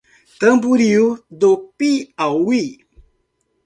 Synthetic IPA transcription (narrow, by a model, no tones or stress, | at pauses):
t̪əmbuɾiwd̪opiawwi